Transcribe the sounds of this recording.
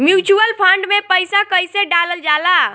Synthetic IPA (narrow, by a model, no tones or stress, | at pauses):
mjut͡ʃuəlpʰəɳɖmepəjsakəjseɖaləld͡ʒala